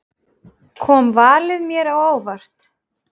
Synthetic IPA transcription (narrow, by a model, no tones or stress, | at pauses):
kʰɔːmvaːlɪðmjɛɾawaːwvar̥t̪